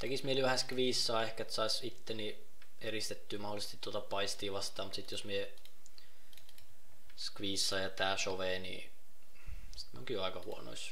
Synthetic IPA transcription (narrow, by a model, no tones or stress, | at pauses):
t̪ekismieliʋæhæskʋiːsːɑːehkæet̪sɑisit̪ːeni | erist̪et̪ːyːmɑholisest̪it̪t̪ːuot̪ɑpɑist̪iːʋɑst̪ɑːmut̪sit̪josmie | skʋiːsːɑːjɑt̪æːsoʋeːnḭː | si̥t̪mḭoŋkijoɑikɑhṵono̰is